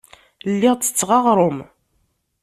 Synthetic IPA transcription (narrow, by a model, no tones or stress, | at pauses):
lːɪʁt͡sːə̥t͡sːʁɑʁɾˤom